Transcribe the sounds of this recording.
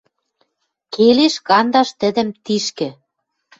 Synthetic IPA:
keleʃkɑnd̪ɑʃt̪ə̆d̪ə̆mt̪iʃkɘ̆

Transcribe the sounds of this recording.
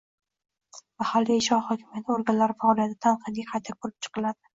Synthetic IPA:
mahalːiɪʃɒhɒkʲʰɪmjat̪ʰɪoɾɡʲanlaɾɪfɒɒlˠijat̪ɪt̪ʰanqʰɨd̪ɡʲaqʰajt̪ʰakʰoɾɪp̚t͡ʃʰɨ̥qʰɨlad̪ɪ̥

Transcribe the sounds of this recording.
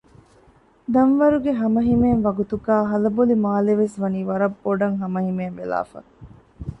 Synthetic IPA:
d̪ɐnʋɐɾuɡeɦɐmɐɦimeːnʋɐɡut̪uɡaːɦɐlɐbolimaːleʋesʋɐniːʋɐɾɐbːoɖɐŋɦɐmɐɦimeːnʋela̰ːfɐ̰

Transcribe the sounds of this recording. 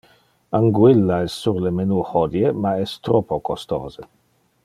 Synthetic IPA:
aŋɡwilːaɛsːuɾlemenuːhɔd̪jemaɛst̪ɾɔpokost̪o̰ːze

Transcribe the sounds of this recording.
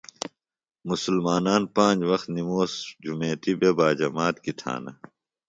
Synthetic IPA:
musulmaːnaːnpãːd͡ʑwɐxt̪nimoːsd͡ʑumeːt̪ibebaːd͡ʑɐmaːt̪kit̪ʰa̰ːnɐ̰

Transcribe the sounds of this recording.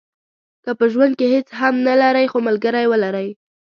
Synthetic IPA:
kəpəʒwand̪̚kehet͡sɦamnalaɾəjxomalɡəɾajwəlaɾəj

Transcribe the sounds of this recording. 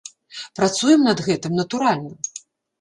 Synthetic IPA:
pɾat̪sujɛmnɐd̪ɣɛt̪ɨmnɐt̪uɾalʲnɐ

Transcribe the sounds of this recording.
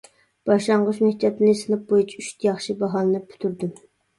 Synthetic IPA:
b̥ɑʃˠɑɴʁʊʃmehʲt̪ʰɑt̪ɨnɨsɨnɨp̚bojut͡ʃʰiyʃt̪ʰjɑχʃibɑɦɑlˠɨnɨpʰy̥t̪ʰyɾd̪ym

